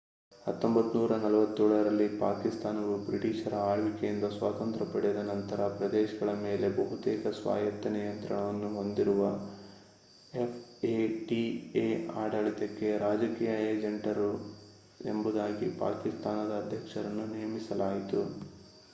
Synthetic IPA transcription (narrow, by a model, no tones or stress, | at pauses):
hɐt̪ːombɐt̪ːunuːɾɐnɐlɐʋɐt̪ːuːɭɐɾɐlːipaːkist̪aːnɐɡubɾiʈiːʃɐɾɐaːɽʋikejind̪ɐsʋaːt̪ɐnt̪ɾɐpɐɽijɐd̪ɐnɐnt̪ɐɾɐpɾɐd̪eːʃɐɡɐɭɐmeːle̞bɐɦut̪ɛːkɐsʋa̰ːjɐt̪ːɐnijɐnt̪ɾɐɳɐʋɐnːuɦo̞nd̪iɾuʋɐ | epʰeʈieaːɖɐɭit̪ekːe̞ɾaːd͡ʒɐkiːjɐeːd͡ʒeɳʈɐɾu | e̞̰mbud̪aːɡipa̰ːkist̪aːnɐd̪ɐːd̪ʱjɐkʂɐɾɐnːunijɐmisɐlaːjit̪u